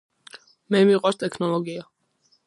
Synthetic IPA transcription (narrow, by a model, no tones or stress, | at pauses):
mɛmiqʼɔst̪ʼɛkʰnɔlˠɔɡia